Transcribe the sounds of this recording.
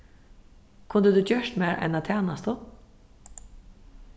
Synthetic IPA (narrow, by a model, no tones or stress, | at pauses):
kʰʊnd̪əd̪ʉːt͡ɕœʂt̪meːɾʔɛ̰nat̪ʰæːnast̪ʊ